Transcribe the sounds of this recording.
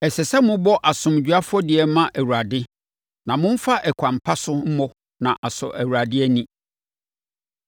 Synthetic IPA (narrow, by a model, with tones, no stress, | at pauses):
ɛ˨sɛ˨sɛ˦mʊ̃˦bɔ˦ʔa˨sʊ̃˨m˨d͡ʑᶣɥa˦fɔ˦dɪ˨ɛ˨mã˦ʔæ˨wu˨ɾa˨dɪ˦ | nã˨mʊ̃˦m̩˦fa˦ʔɛ˨kʷʰã˨m˨pʰa˦sʊ˦m̩˦mɔ˦ | nã̰˨ʔa˨sɔ̰˨ʔæ˨wu˨ɾa˨dɪ˦ɛ˦nĩ˦˨